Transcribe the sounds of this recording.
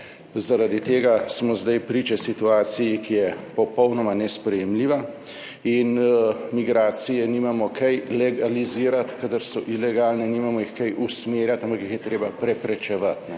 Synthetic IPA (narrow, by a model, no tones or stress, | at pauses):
zaɾad̪it̪eːɡasmɔzd̪ajpɾiːt͡ʃɛsit̪uaːt̪sijikijɛpɔpɔwnɔmanɛspɾɛjɛmliːʋa | inmiɡɾaːt̪sijɛniːmamɔkɛjlɛɡaliziːɾat̪kad̪aɾsɔʔilɛɡalnɛniːmamɔixkajʔusmeɾjat̪ampakixjɛt̪ɾeːbapɾɛpɾɛt͡ʃɛʋat̪nɛ